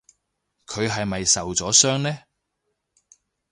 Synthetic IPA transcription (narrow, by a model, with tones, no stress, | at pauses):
kʰɵ˨˧ɥɦɐ˨jmɐ˨jsɐ˨wt͡sɔː˨˥sœː˥ŋnɛː˥